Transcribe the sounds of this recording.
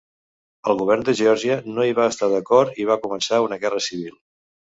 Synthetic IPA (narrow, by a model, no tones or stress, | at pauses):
əlˠɣuβɛrnd̪əʒɔɾʒiənoiβaəst̪aðəkɔrt̪iβ̞akumənsaunəɣɛrəsiβ̞ilˠ